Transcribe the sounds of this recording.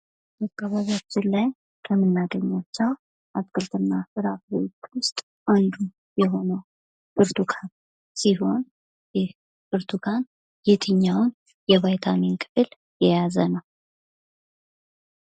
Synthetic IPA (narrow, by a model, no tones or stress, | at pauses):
bakʼːaβaβat͡ʃːɪnlaj | kʰəmɨnːaɡ̪əɲːat͡ʃːaw | ʔaskʰʼɨlt̪ʰɨnːafɨɾafɾot̪wʊst̪ʼ | ʔand̪u | jɛɦo̞nəw | bɨɾt̪ʰukʰan | siɦo̞n | jɛh | bɨɾt̪ʰukʰan | jɛt̪ʰɨɲːawn | jɛβajt̪ʰaminkʰʼɨ̥fɨl | jɛjazənəw